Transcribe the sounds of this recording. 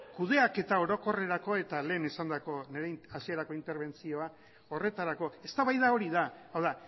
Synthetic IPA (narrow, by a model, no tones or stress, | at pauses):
kuð̞e̞ake̞t̪ao̞ɾo̞ko̞re̞ɾako̞e̞t̪ale̞ːnesand̪ako̞ne̞ɾeasieɾako̞int̪e̞ɾβ̞e̞nt͡sio̞a | o̞re̞t̪aɾako̞e̞st̪aβajðao̞ɾiðaawða